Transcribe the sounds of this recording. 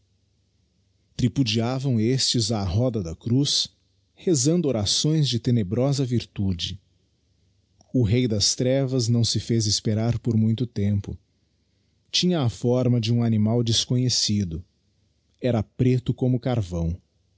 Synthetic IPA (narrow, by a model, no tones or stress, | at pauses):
t̪ɾipud͡ʒiavɐ̃w̃est͡ʃɪzaɦɔd̪ɐd̪ɐkɾus | hezɐ̃nd̪ʊoɾasõj̃zd͡ʒɪt̪enebɾɔzɐviɾt̪ud͡ʒɪ | ʊɦejd̪ɐst̪ɾɛvɐznɐ̃w̃sɪfezɪspeɾaɾpoɾmũj̃t̪ʊt̪ẽmpʊ | t͡ʃĩɲɐːfɔɾmɐd͡ʒɪũanimawd͡ʒɪskõɲesid̪ʊ | ɛɾɐpɾet̪ʊkõmʊkaɾvɐ̃w̃